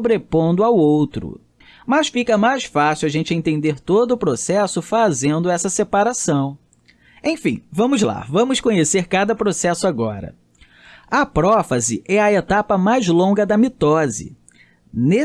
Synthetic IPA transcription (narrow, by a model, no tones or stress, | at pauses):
bɾepõnd̪ʊawowt̪ɾʊ̰ | mɐsfikɐmajsfasiwaʒẽnt͡ʃɪẽnt̪ẽnd̪eɾt̪od̪ʊːpɾosɛsʊfazẽnd̪ʊɛsɐsepaɾasɐ̃w̃ | ẽfĩvɐ̃mʊzla̰vɐ̃mʊskõɲeseɾkad̪ɐpɾosɛsʊaɡɔɾɐ̰ | ɐpɾɔfɐzɪʔɛɐet̪apɐmajzlõŋɡɐd̪ɐmit̪ɔzɪ̰ | ne